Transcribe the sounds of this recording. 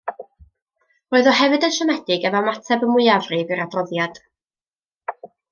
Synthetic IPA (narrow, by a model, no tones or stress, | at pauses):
roːɨðɔhɛvɨdənʃɛmɛdɪɡɛvamatʰɛbəmʊɨavrɨvɨɾadrɔðjad̥